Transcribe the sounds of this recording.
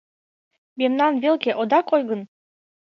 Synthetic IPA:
memnɑnvelkeʔod̪ɑkojɣə̆n

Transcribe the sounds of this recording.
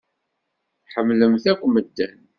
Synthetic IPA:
ħəmːləmθækʷːməd̪ːæn

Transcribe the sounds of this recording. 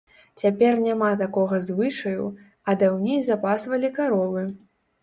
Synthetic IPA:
t͡sʲapʲɛrnʲamat̪akɔɣɐzvɨʂɐjṵ | ɐd̪awnʲejzapasvɐlʲikaɾɔvɨ

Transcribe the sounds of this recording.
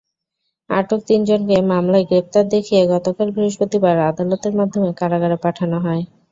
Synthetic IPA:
aʈok̚t̪ind͡ʑonkemamlaeɡɾep̚t̪aɾd̪ekʰijeɡɔt̪okalbʱɾiɦoʃpot̪ibaɾad̪alot̪eɾmad̪ʱːomekaɾaɡaɾepaʈʰanoɦɔe

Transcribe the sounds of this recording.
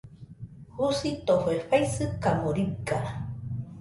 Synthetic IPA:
husit̪ohoeɸaisɨkamoɾika

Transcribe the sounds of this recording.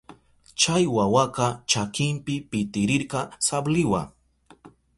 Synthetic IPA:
t͡ʃajwawaqɑt͡ʃakɪmpɪpɪt̪ɪɾɪɾqɑsablɪwa̰

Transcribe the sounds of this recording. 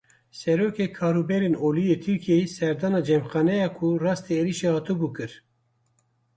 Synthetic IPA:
sɛɾoːkekʰɑːɾubɛɾenoːlijet̪ʰɨɾkʰiesɛɾd̪ɑːnɑd͡ʒɛmxɑːnɛjɑːkʰurɑːst̪eeːliʃehɑːt̪ɨbuːkɨɾ

